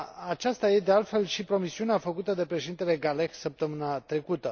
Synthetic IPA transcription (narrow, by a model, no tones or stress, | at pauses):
at͡ʃast̪aje̞d̪ealt̪fe̞lʃipɾo̞misiuneafəkut̪əd̪e̞pɾe̞ʃed̪int̪e̞le̞ɡale̞xsəp̚t̪əmɨnat̪ɾe̞kut̪ə